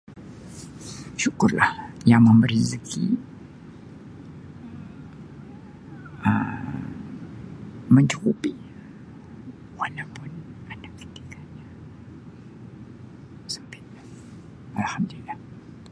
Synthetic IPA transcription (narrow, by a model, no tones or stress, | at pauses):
ʃukʊrlahjaŋməmbəɾizəkʰḭ | ʔə | məɲt͡ʃukupi | walapʊnanaki̥t̪i̥kaɲa | sə̥mpɪt̪̚a | ʔalhamd̪ulilːah